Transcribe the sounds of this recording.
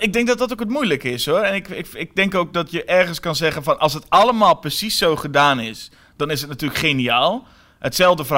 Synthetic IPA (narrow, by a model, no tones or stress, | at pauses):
ɪɡ̚dɪŋk̚dɔt̚dɔtokətmujləkəɪsoɛnɪkɪɪɡ̚dɪŋkoːk̚dɔtjəʔɛrɣənskɑnzɛɣənfɔnɔlˠsətaləmaːlˠpəsisːoːχədaːnɪs | d̥ɔnɪsət̚natyːləkχeniaːlˠ | ətsɛlˠvdəfər